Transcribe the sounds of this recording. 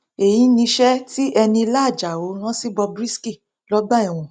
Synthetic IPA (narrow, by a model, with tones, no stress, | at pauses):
e˨jĩ˨˦nĩ˧ʃɛ˦ti˦ʔɛ˧nĩ˧la˦˨d͡ʒa˨o˨˦ñã˦si˦bɔ˧bɾi˦ski˦˨ | lɔ˦ɡ͡ba˦i˦˨w̃ɔ̃˨